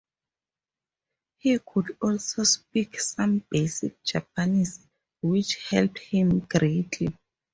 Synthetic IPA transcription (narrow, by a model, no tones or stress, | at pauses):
hikʰudɔlsospiksãmbesik̚d͡ʒap̚anis | wit͡ʃhɛlp̚thĩmɡɹetʰli